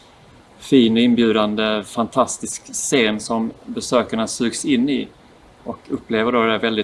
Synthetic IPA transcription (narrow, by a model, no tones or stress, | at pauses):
fiːnɔɪnbjʉ̟ːd̪and̪əfant̪ʰast̪ɪskseːnsɔmbɛsøːkaɳasʉ̟ːɡsɪnːɪ | ɔkʰɵpːleːvəɖoːd̪ɛd̪æɾvɛld̪ɪ